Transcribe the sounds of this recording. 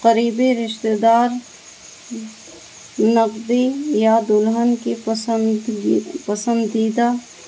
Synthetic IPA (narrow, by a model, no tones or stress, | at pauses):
qəɾiːbeɾɪʃt̪ed̪aːɾ | nɐqd̪ejad̪ʊlɦənke | pɐsə̃nd̪iːd̪a